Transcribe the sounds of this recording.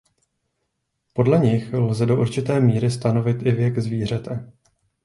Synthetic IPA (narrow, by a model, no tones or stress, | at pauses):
po̞dlɛɲɪxlzɛdo̞ʔuɾt͡ʃɪt̪ɛːmiːɾɪst̪ano̞vɪt̪ʔɪvjɛɡzviːr̝ɛt̪ʰɛ